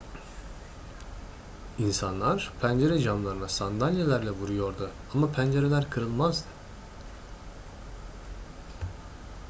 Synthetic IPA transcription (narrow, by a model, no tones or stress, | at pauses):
insanlˠaɾ̥pʰænd͡ʒe̞ɾɛd͡ʒamlˠaɾɯnasand̪alʲjelʲæɾlʲɛvuɾujo̞ɾd̪ʊamapʰænd͡ʒe̞ɾe̞lʲæɾkʰɯɾɯlˠmazd̪ɯ